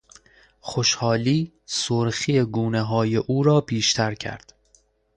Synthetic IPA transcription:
xoʃhɒːliː | soɾxiːeɡuːneɦɒːje̞ʔuːɾɒːbiːʃt̪ʰæɾcʰæ̰ɾd̪̥

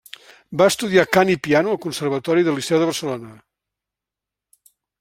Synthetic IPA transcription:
baəst̪uðiakanipianuəlˠkunsərβ̞ət̪ɔɾiðəlisɛwðəβərsəlonə

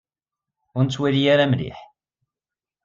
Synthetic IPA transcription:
ʊɾnt͡sːwælijaɾamlḭħ

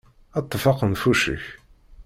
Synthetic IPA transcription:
ɑt̪ˤːfɑqənfuʃə̰ç

